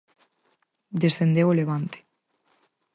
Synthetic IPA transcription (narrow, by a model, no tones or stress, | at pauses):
d̪esθend̪ewoleβant̪e̥